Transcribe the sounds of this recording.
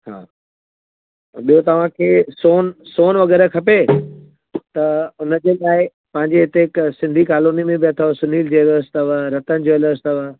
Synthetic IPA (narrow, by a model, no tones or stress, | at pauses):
ha̰ː | ɓijot̪ɐʋ̤ãkʰeːsoːnsoːnʋɐɡɛːɾəkʰɐpe | t̪ɐʊnəd͡ʑeːlaːɪ | pɐ̃ɦɪ̃ɲd͡ʑeɦɪt̪eɪksɪ̃nd̪ʱikaːloːnimẽbɪɐt̪ʰoʋsʊniːld͡ʑeːloəst̪əʋɾɐt̪ənɪ̆d͡ʑoːloəst̪əʋə